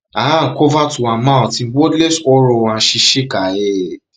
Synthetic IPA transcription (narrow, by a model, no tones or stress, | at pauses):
akɔvatuamãtĩwɔdlɛsɔɾɔwãʃiʃekajɛ